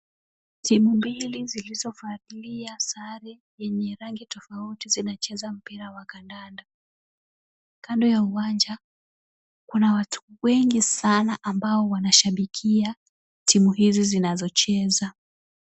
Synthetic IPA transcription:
timumbilizilizɔfatiliasaɾɛ | jɛɲɛɾaŋɡitɔfautizinat͡ʃɛzam̩piɾawakandanda | kʰandɔjauwand͡ʒa | kunawatʰu̥wɛŋɡisanaʔambaɔwanaʃaɓikʰia | timuɦizizinazɔt͡ʃɛza

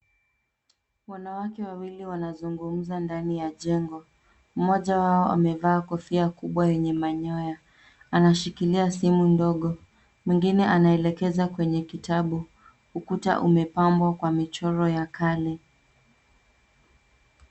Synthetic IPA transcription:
wanawakɛwawiliwanazuŋɡum̩zandanijaʄɛŋɡɔ | m̩mɔʄawaɔʔa̰mɛvaːkɔfiakuɓwajɛɲɛmaɲɔja | anaʃikiliasimundɔɠɔ | mwiŋɡinɛʔanaɛlɛkɛzakwɛɲɛkitaɓu | hukuta̰ʔumɛpambwakwamit͡ʃɔɾɔjakalɛ

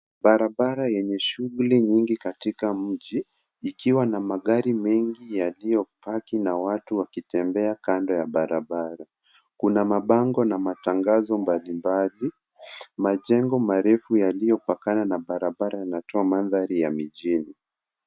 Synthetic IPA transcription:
ɓaɾaɓaɾajɛɲɛʃuɣuliɲiŋɡikatikam̩ʄiː | kiwanamaɠaɾimɛŋɡijalijɔpakinawatuwakitɛmbɛakandɔjaɓaɾaɓaɾa | kunamaɓaŋɡɔnamataŋɡazɔmbalimbali | maʄɛŋɡɔmaɾɛfujalijɔpakananaɓaɾaɓaɾajanatɔamanðaɾijamiʄini

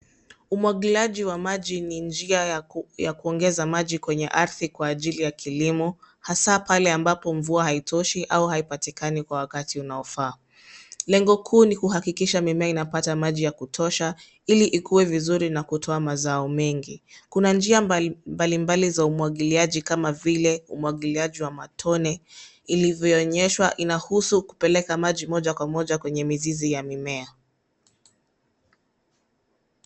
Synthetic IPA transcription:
umwaɠilaʄiwamaʄinind͡ʒiajakuɔŋɡɛzamaʄikwɛɲɛ̰ʔaɾθikwaːʄilijakʰilimɔ | hasapalɛambapɔɱvuahaitʰɔʃiʔauhaipatikanikwawakatiunaɔfaː | lɛŋɡɔkʰuːnikuhakikiʃamɛmɛainapatamaʄijakutʰɔʃa | iliʔikuwɛvizuɾinakutʰɔamazaɔmɛŋɡikunand͡ʒiambalimbalizaumuwaɠiliaʄikamavilɛumuwaɠiliaʄiwamatʰɔnɛ | ilivjɔɔɲɛʃwaʔinahusuku̥pɛlɛkamaʄimɔʄakwamɔʄakwɛɲɛmizizijamimɛa

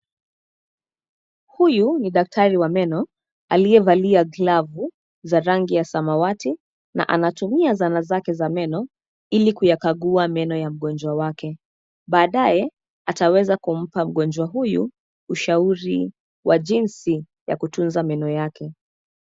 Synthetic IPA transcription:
hujuniɗak̚tʰaɾiwamɛnɔ | aliɛvaliaɡlavu | zaɾaŋɡijasamawati | na̰ʔanatumiazanazakɛzamɛnɔ | ilikujakaɠuamɛnɔjam̩ɠɔnd͡ʒwawakɛ | ɓaːɗajɛ | atawɛzakum̩pam̩ɠɔnd͡ʒwaɦujṵ | uʃauɾi | wʔaʄinsi | ja̰kutunzamɛnɔjakʰɛ

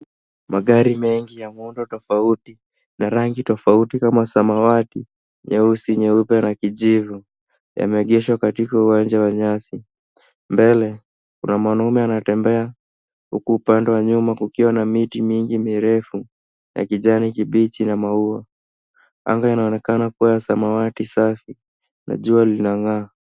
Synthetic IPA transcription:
maɠaɾimɛŋɡijamundɔtɔfauti | naɾaŋɡitɔfautikamasamawati | ɲɛusiɲɛupɛnakiʄivu | ja̰mɛɠɛʃwakatikauwand͡ʒawaɲasi | mbɛlɛ | kunamanaumɛanatɛmbɛa | hukuːpandɛwaɲumakukiwanamitimiŋɡimiɾɛfu | ja̰kiʄanikiɓit͡ʃinamaua | a̰ŋɡainaɔnɛkanakuwajasamawatisafi | nʔa̰ʄualinaŋaː

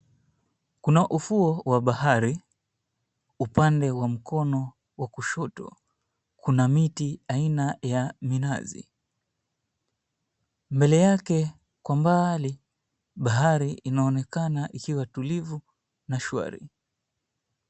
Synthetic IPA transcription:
kunaʔufuɔwaɓahaɾi | upandɛwam̩kɔnɔ | wakuʃɔtɔ̰ | kʰunamitiainajamina̰zḭ | mbɛlɛjakɛ | kwambali | ɓaɦaɾiinaɔnɛkanaʔikiwatulivu | naʃwa̰ɾḭ

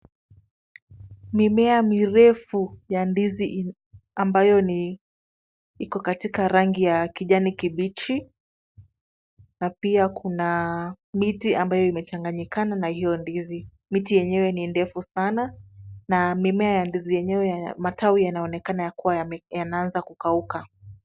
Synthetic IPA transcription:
mimɛamiɾɛfujandizi | ambajɔni | ikɔkatikaɾaŋɡijakiʄanikiɓit͡ʃi | napiakʰuna | mitiambajɔimɛt͡ʃaŋɡaɲikananahijɔndizi | mitijɛɲɛwɛnindɛfusananamimɛajandizijɛɲɛwɛmatawijanaɔnɛkanajakuwajanaanzakukauka

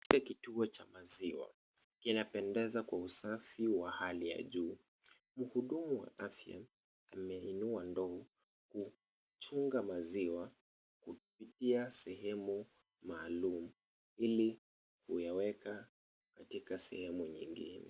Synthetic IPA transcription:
ikakituɔt͡ʃamaziwa̰ | kinapɛndɛzakwausafiwahalija̰ʄuː | m̩huɗumuwa̰ʔafja̰ | amɛinuandɔɔ | ku | t͡ʃuŋɡamaziwa | kupitiasɛɦɛmu | maːlumu | ili | kujawɛka | katikasɛ̰hɛmuɲḭŋɡḭnɛ̰

